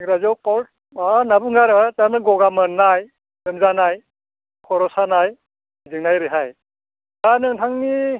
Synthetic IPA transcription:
iŋɾazɔwkawl̚ | anabɯŋɡaɾɯataɾmɯɡɔɡamɯnaj | ɯmzanaj | kʰɔɾɔsanaj | zɯŋnajɾeɦaj | anɯŋtʰaŋni

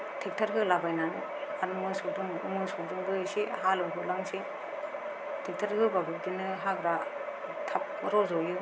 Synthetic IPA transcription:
tʰik̚tʰaɾkʰɯlabajnan | aɾɯmɯsɔdɯŋmɯsɔdɯŋbɯjɯsihalɯŋkʰɯlaŋsi | tʰik̚tʰaɾkʰɯbaɡɯdinɯɦaɡɾa | tʰap̚ɾɔzɔjɯ

